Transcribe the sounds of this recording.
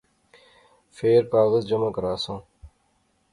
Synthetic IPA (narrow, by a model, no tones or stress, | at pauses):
feːɾpaːɣəzd͡ʑɐmɐkɐɾaːsõː